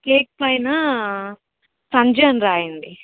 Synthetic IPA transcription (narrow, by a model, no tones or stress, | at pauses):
keːk̚pɐjnɐ | sɐɲd͡ʒɐnɾaːjinɖi